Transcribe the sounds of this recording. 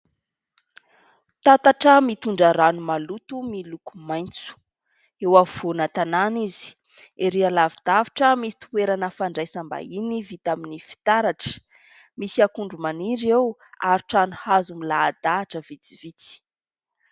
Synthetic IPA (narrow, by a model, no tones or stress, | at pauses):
t̪at̪aʈ͡ʂəmit̪uɳɖ͡ʐaɾanumalut̪umilukumajnt͡su̥ | ewavvonat̪ananizi̥ | eɾialavid̪̥aviʈ͡ʂəmisi̥t̪ueɾanəfaɳɖ͡ʐajsamba̰inivit̪aminifi̥t̪aɾaʈ͡ʂə̥ | misiakuɳɖ͡ʐumaniɾewaɾuʈ͡ʂanuhazumilaːd̪aːʈ͡ʂəvit͡si̥vit͡si̥